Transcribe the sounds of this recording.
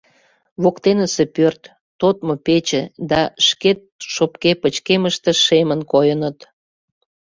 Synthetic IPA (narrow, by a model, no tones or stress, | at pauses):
βokt̪enəsepørt̪ː | ot̪mopet͡ɕed̪ɑʃket̪̚ʃopkepət͡ɕkeməʃt̪eʃemənkojənət̪